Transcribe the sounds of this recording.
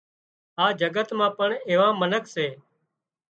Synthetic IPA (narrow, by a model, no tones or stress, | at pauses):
aːd͡ʒəɡət̪mãːpəɳeːʋãːmənəkseː